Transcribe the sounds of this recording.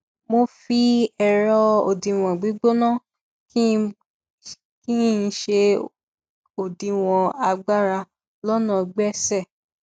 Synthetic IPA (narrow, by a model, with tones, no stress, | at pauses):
mo˧fi˦ɛ˧ɾɔ˧o˨dĩ˨w̃ɔ̃˨ɡ͡bi˨˦ɡ͡bo˦nã˦ | k | kĩ˦˧˦ʃe˧ | o˨dĩ˨w̃ɔ̃˨a˧ɡ͡ba˦ɾa˧ | lɔ˦nã˦˨˧ɡ͡bɛ˦sɛ˦˨